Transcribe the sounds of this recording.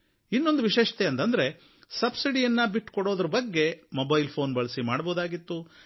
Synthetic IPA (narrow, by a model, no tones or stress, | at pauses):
inːo̞nd̪uʋiʃeːʃɐ̥t̪eɐnt̪ɐnd̪ɐɾe̞ | sɐbsiɽijɐnːɐbiʈːkɔɽo̞ːd̪ɐɾɐbɐɡːe̞mobɐjlpʰo̞ːnbɐɭɐsimaːɽboːd̪aːɡit̪ːu